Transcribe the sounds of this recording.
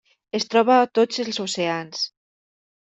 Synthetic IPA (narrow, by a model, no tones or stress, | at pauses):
est̪ɾɔβaːt̪od͡zelsoseans